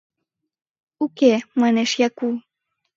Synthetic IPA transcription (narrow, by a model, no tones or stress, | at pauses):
ukemɑneʃjɑku